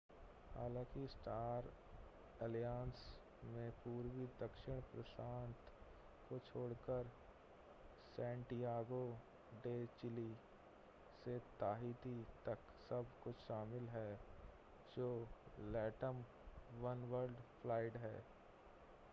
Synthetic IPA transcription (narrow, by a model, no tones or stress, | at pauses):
ha̰ːlãːkisʈaːɾ | əljaːns | mẽpuːɾwid̪ɐkʃɪɽ̃pɾəsaːnt̪ʰ | kot͡ʃʰoːɽkəɾ | sɛ̃ːɳʈijaːɡo | ɖeːt͡ʃɪli | set̪aːɦit̪it̪ɐk | sɐbkʊt͡ʃʰʃaːmɪlɦɛː | d͡ʒoːlɛːʈəm | ʋɐnʋəɾɖpʰlaːɪʈɦɛː